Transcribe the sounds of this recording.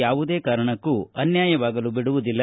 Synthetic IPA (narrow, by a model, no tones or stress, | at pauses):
jaːʋud̪e̞ːkaːɾɐɳɐkːuɐnjaːjɐʋaːɡɐlubiɽuʋud̪ilːɐ